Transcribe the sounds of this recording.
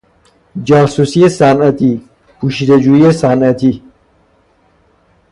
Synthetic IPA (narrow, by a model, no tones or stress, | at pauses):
d͡ʒaːsusiesaːnɐt̪i | puʃid̪ɐd͡ʑujesaːnɐt̪i